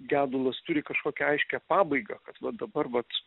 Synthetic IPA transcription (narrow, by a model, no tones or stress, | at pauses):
ɡʲæːd̪ʊlˠɐst̪ʊɾʲɪkɐʃkoːkʲɛɐɪʃʲkʲæpɑːbɐɪɡɑ̰kɐt̪ʋɐd̪ɐbɐrʋɐt̪